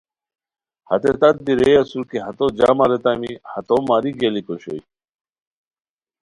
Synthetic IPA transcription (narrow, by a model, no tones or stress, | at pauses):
hɐ̰t̪et̪ɐt̪̚biɾejɐsuɾkeɦɐt̪od͡ʑaːmaɾet̪amihɐt̪omaːɾiɡelikoɕo̰i